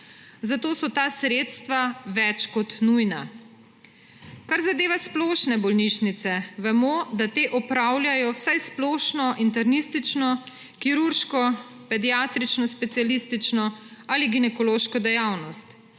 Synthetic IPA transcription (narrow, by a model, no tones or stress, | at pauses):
zat̪oːsɔt̪aːsɾeːt̪st̪ʋaʋɛt͡ʃkɔt̪nujna | kaɾzad̪eːʋasplɔːʃnɛbɔlniʃnit̪sɛʋɛmɔd̪at̪eːʔɔpɾaːwlʲjajɔwsajsploːʃnɔʔint̪̬ɛɾnist̪it͡ʃnɔ | kiɾuɾʃkɔ | pɛd̪ijaːt̪ɾit͡ʃnɔspɛt̪sijalist̪it͡ʃnɔaliɡinɛkɔloːʃkɔd̪ɛjaːwnɔst̪